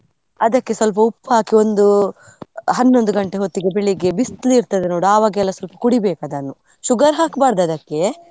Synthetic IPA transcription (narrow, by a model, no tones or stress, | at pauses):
ɐd̪ɐkːe̞sʋɐlp̬ɐupːɦaːkio̞nd̪u | ɦɐnːo̞nd̪uɡɐɳʈeɦot̪ːiɡe̞beɭiɡe̞bist̪liːɾt̪ɐd̪enoːɽuaːʋaːɡɛlːɐsʋɐlpɐ̥kuɽibɛːkad̪aːnːu | ʃuɡɐɾɦaːkbaːɾd̪ɐd̪ɐkːe̞